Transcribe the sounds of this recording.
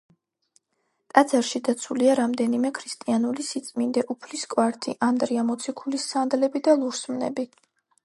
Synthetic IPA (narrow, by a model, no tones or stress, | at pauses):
t̪ʼad̪zaɾʃid̪at̪sʰuliaɾamd̪ɛnimɛkʰɾist̪ʼianulisit̪sʼmind̪ɛʔupʰliskʼwaɾt̪ʰḭʔand̪ɾiamɔt̪sʰikʰulisːand̪lɛbid̪alˠuɾsmnɛ̰bi